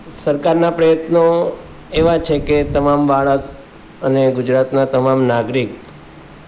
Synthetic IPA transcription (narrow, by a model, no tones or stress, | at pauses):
səɾkaɾnapɾəjət̪no | eʋat͡ʃʰeket̪əmambaɭək | əneɡʊd͡ʒɾat̪nat̪əmamnaɡɾik